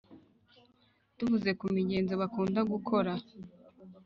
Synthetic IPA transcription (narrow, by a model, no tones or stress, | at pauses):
d̥uvuze̞kumiɟe̞ːnzoβakuːndaɡukʰo̞ɾa